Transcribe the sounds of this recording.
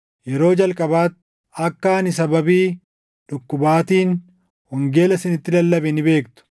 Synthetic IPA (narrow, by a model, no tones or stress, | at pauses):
jɛɾo̞ːd͡ʒɐlkʼɐbaːt̪ | ɐkːaːnɪs̬ɐbɐbiː | ᶑʊkːʊbaːt̪iːn | hɔŋɡe̞ːlɐsɪnɪt̪ːɪlɐlːɐbɛnɪbe̞ːkt̪ʊ̥